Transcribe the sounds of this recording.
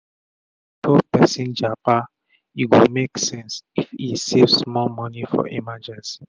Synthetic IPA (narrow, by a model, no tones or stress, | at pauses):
tʰɔpɛsĩnd͡ʒapa | iwimeksɛ̃nsifisevmɔlmɔnifɔ̰ʔḭmad͡ʒɛ̃nsi